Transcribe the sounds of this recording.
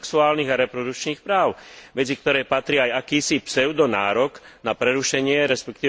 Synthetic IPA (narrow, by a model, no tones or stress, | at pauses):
ksuaːlniɣaɾɛpɾɔd̪ukt͡ʃniːxpɾaːʊʋɛt͡sik̚t̪ɔɾɛːpat̪ɾiajakiːsipsɛʊd̪ɔnaːɾɔɡnapɾɛɾuʃɛɲɪɛɾɛspɛkt̪iː